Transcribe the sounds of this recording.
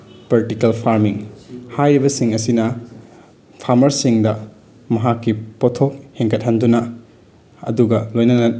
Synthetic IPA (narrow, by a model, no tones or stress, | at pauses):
pɐɾtikelpʰaɾmiŋhajɾibɐsiŋɐsinɐ | pʰaɾmɐɾsiŋdɐ | mɐɦakːipotʰok̚heŋkɐt̚hɐndunɐ | ɐ̰duɡɐlojnɐnɐ